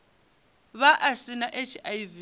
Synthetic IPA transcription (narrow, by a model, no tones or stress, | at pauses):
βaʔasinaʔet͡ʃʰajvi